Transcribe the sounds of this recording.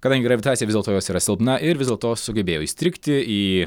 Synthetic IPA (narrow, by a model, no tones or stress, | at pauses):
kɐd̪ɐŋɡʲɪɾɐɪt̪ɑːsʲijɛʋʲzʲd̪ʲɛlˠt̪oːjoːsiːɾɐsʲɪlˠpnɐʔɪɾʋʲɪzʲd̪ʲeɛlˠt̪oːsʊɡʲɛbʲeːjɛʊist̪ʲɾʲɪkt̪ʲɪiː